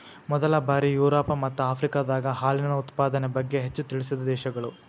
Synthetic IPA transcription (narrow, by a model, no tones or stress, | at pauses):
mɔd̪ɐlɐbaːɾijuːɾɔːpɐmɐt̪ːuaːpʰɾikaːd̪aːɡɐɦaːlinɐnɐut̪paːd̪ɐnebɐɡːe̞ɦet͡ʃːut̪iɭisid̪ɐd̪ɛːʃɐɡɐɭu